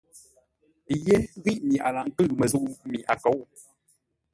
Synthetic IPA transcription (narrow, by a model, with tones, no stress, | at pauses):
je˦ɣi˦ʔmi˨ʔa̰˨la˨ŋ˦kɨ˦˨mə˨zu˦ʔmi˨ʔa˨kɔ˨˦w